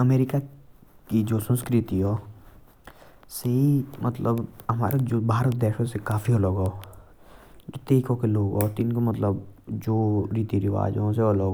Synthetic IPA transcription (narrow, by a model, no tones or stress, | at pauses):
ɐmeːɾɪka | kid͡ʒoːsə̃nskɾɪt̪iɦoː | seɦimʔə̰t̪ləbɦɐma̰ːɾed͡ʒoːbʱaːɾət̪̚d̪eːʃosekaːfiɦoloːɡɦoː | d͡ʒot̪eːkõkeloːɡɦoːt̪ɪnkomət̪ləbd͡ʒoːɾiːt̪iɾɪʋa̰ːd͡ʒɦõseoːloːɡ